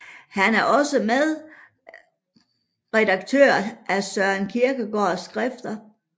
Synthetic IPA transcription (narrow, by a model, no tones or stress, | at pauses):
hænæɐʔɒ̽səmeðˠ | ʁɛd̥ɑ̈ɡ̥̚t͡sʰø̰ːɐ̰ʔæsɶɐnkʰiɐɡ̥əɡ̥ɒːsɡ̥ʁɛfd̥ɐ